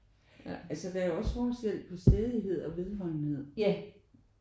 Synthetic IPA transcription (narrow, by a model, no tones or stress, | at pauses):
ælsəd̥æjoɒ̽sfɒːsɡ̥el̰d̥̚pʰɒ̽sd̥eːðˠiɦe̝ð̞̰ˠɒ̽ʋe̝ðˠhɒ̽ɪ̰nhe̝ð̰ˠ